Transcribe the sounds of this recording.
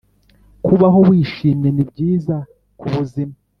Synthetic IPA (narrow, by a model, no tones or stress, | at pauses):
kuβaɦo̞βwiːʃiːmje̞nibɟiːza | kuβuzima